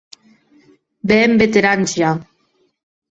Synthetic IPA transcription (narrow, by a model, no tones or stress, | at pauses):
bɛmbet̪eɾant͡ʃja